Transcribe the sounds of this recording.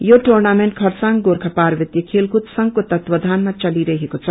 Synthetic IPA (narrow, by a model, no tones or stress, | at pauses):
joʈornameɳʈ̚kʰʌɾsaŋɡoɾkʰapaɾʋit̪jəkʰelkut̪sʌŋkot̪ʌt̪wʌd̪ʱanmat͡sʌliɾʌɦekot͡sʰʌ